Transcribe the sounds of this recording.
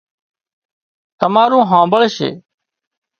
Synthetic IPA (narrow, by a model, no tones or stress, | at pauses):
t̪əmaːɾũːɦãːbəɭʃḛː